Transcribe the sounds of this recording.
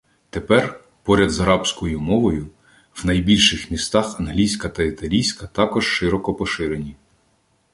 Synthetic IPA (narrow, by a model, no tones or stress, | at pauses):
t̪epɛr | pɔɾʲɐd̪zɐɾɑpsʲkɔjʊmɔʋɔjʊ | wnɐjbʲilʲʃɪxmʲist̪ɑxɐnɦlʲijsʲkɐt̪ɐit̪ɐlʲijsʲkɐt̪ɑkɔʒʃɪɾɔkɔpɔʃɪɾenʲi